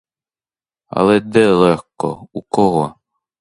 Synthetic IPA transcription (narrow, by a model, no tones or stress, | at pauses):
ɐ̰lˠɛd̪ɛlˠɛxkɔ̰ukɔɦɔ